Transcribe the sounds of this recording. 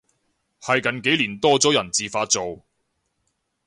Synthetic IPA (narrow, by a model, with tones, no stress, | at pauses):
hɐ˨jkɐ˨nke˨˥jliː˨˩nt̪ɔː˥t͡sɔː˨˥jɐ˨˩nt͡siː˨faː˧t̚t͡so˨w